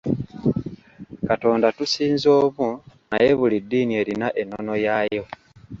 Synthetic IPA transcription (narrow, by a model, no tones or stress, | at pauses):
kato̞ːndatusiːnzo̞ːβunaje̞βulidːiːnie̞ːɾinaʔe̞nːo̞no̞jajo̞